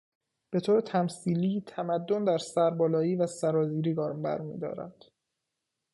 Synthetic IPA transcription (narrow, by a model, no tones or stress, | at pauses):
b̥e̞t̪ʰoːɾet̪ʰæmsiːliːt̪ʰæmæd̪ːond̪æɾsæɾbɒːlɒːiːvæsæɾɒːziːɾiːɡɒːɾmbæ̰ɾmḭːd̪ɒ̰ːɾæ̰d̪̥